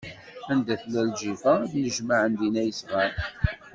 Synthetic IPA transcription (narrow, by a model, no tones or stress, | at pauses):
ænd̪æθlælʒifæd̪nəʒmaʕənd̪inæjəsʁæɾ